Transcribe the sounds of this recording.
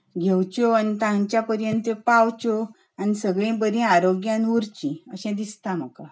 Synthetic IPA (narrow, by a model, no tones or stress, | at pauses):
ɡʱewt͡ɕɔanit̪ãɲt͡ɕjapəɾjənt̪əpawt͡ɕɔ | anisəɡɭẽbəd̪ʱĩaɾoɡjãnuɾt͡ɕĩəɕɛ̃d̪ist̪ãm̤əka